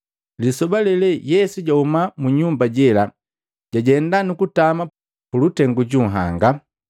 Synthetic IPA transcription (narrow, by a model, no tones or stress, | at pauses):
lisɔbalɛlɛjɛsuɟahumamuɲumbaɟɛla | ɟ̥aɟɛndanukutama | pulutɛŋɡuɟuɦa̰ŋɡa